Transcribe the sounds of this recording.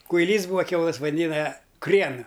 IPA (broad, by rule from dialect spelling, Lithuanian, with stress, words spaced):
kʊɪˈlʲiːs ˈbuːɐ ˈkʲɛʊlˠɘs ʋɐˈdʲɪnɐ ˈkrʲiɛnɐ